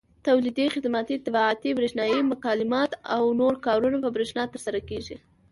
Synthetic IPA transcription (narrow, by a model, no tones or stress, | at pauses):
t̪awlid̪ixɪd̪mat̪it̪ɪbɑat̪ibɾeʃnɑjimʊkɑlɪmɑt̪a̰wnoɾkɑɾunapəbɾeʃnɑt̪əɾsaɾakeʒi